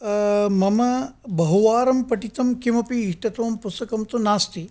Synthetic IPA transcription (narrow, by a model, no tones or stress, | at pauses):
mɐmɐbɐɦuʋaːɾɐmpɐʈit̪ɐmkimɐpiːʈɐt̪ɐʋɐmpust̪ɐkɐmt̪unaːst̪i